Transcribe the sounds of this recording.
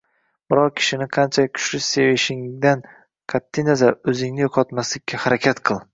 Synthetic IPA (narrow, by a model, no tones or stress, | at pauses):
bɪɾɒq̚kʲʰɪ̥ʃɪnɪqʰɑnt͡ʃʰakʲʰʊ̥ʃlɪsevɪʃɪŋd̪an | qʰat̪ʰːijnazaɾɵzɪŋnɪjoqʰɒt̪maslɪkʲʰːahaɾakʲʰat̪qʰɨlˠ